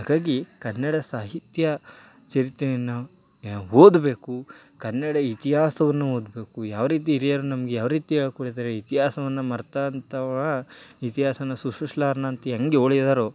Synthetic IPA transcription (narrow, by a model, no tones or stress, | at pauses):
ɦaːɡaːɡikɐnːɐɽɐsaːɦit̪jɐ | t͡ʃɐɾit̪ːejɐnːɐ | oːd̪be̞ːku | kɐnːɐɽɐit̪iɦaːsɐʋɐnːuɦoːd̪be̞ːkujaːʋɐɾiːt̪̬iːɾijɐɾunɐmɐɡejaːʋɐɾiːt̪iɦeːɭɐkoːɽid̪aːɾeit̪iɦaːsɐʋɐnːɐmɐɾt̪ant̪ʰɐʋɐ | it̪iɦaːsɐnɐsuʂuʃlaːɾnaːnt̪iɐŋɡeoːɭid̪aːɾo